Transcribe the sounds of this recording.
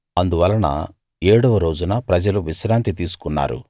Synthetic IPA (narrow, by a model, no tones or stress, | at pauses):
ɐnd̪uʋɐlːɐnɐ̰ | eːɽɔʋɐɾo̞ːd͡ʒunɐpɾɐd͡ʒɐluʋiʃɾaːnt̪it̪̬iːsu̥kunːa̰ːɾṵ